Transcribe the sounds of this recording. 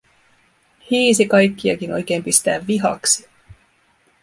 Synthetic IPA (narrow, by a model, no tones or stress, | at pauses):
hiːsikɑjkːiɑ̰k̟inʔo̞̰jk̟e̞ːmpist̪æ̰ːʋːiɦɑ̰ksi̥